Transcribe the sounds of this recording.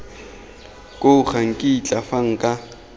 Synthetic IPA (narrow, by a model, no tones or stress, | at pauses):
kʼʊχaŋ̩kʼit͡ɬʼafaŋ̩kʼa